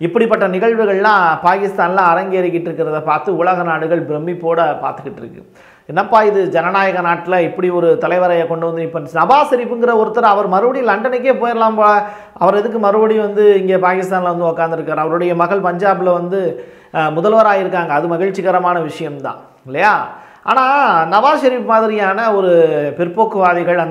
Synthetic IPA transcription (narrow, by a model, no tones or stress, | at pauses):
ɪpːɐɽipːɐʈːɐnɪɣɐɭʋɯɣɐɭlãːpaːkɪst̪aːnlãɐɾɐŋɡeːɾɪkːɪʈːɪɾɯkːɪɾɐðɐpːaːɾt̪ɯʊɭɐɣɐnaːɽɯɣɐɭbɪɾɛmːipːoːɽɐpa̰ːɾt̪ɯkːɪʈːɾɯkːɯ̰ | ɛnːɐpːaːɪðɯd͡ʒɛnɐnaːjɐɣɐnaːʈːɪlɐɪpːɐɽiɔɾɯt̪ɐlɐɪʋɐɾɐjɐkɔɳɖɯʋɐnd̪ɯɪpːɐnnɐbaːsɪɾɪpːɯŋɡɪɾɐɔɾɯt̪ːɐɾɐ̃ɐʋɐɾmɐɾɯʋɐɽilɐɳɖɐnɛk̬ːeːpoːjɐɾɐlaːmpoːlɐ | ɐʋɐɾɛðɯk̬ːɯmɐɾɯʋɐɽiʋɐnd̪ɯɪŋɡeːpaːkɪst̪aːnlɐʋɐnd̪ɯɔkːaːnd̪ɪɾɯkːaːɾɐʋɐɾɯɽɐjɐmɐɣɐɭpɐɲd͡ʒaːbɯlɐʋɐnd̪ɯ | mʊðɐlʋɐɾaːjɪɾɯk̬ːaːŋɡɐːðɯmɐɣɪɻt͡ʃːɪɣɐɾɐmaːnɐʋɪʂɐjɐmt̪ã̰ː | ɪlːɐjaː | a̰ːnaːnɐbaːʃɐɾiːpmaːðɪɾɪjaːnɐɔɾɯpɪɾpːoːkːɯʋaːðɪɣɐɭɐn